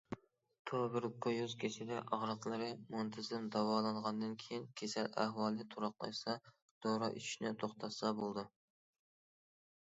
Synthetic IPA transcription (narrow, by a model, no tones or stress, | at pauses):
t̪ʰobɪɾkʰːojuzkʲʰesɪd̪ɛʔɑʁɾɑq̪lˠɨɾɨmont̪ʰɨzɪnd̪ɑwɑːlˠɑnʁɑnd̪ɨnkʲʰejinkʲʰesɛlæ̰hwɑːlˠɨt̪ʰuɾɑqlˠɑ̰jsɑ | d̪̥oɾɑʔyt͡ʃʰy̥ʃnɪt̪ʰoχt̪ʰɑssɑbolˠd̪ɨ